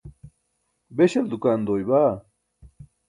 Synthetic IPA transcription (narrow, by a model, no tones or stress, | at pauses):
beɕeld̪ukaːnd̪oːjbaː